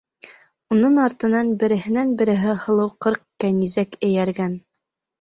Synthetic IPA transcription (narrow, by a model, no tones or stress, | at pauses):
unɤɴɑɾt̪ɤ̆nɑnbɘ̆ɾɘ̆ɦɘ̆nænbɘ̆ɾɘ̆ɦɘhɤ̆lˠɤwqɤɾqːænizækɘ̆jæɾɡæn